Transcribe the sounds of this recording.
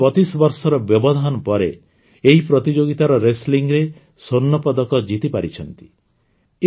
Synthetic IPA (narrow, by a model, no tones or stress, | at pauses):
ɔt͡ʃisbɔɾsɔɾɔbjɔbɔd̪ʱɔnɔpɔɾe | eɦipɾɔt̪id͡ʒoɡit̪aɾɔɾesliŋɾe | sonːɔpɔd̪ɔkɔd͡ʒit̪ipaɾit͡ʃʰɔnt̪i̥ | e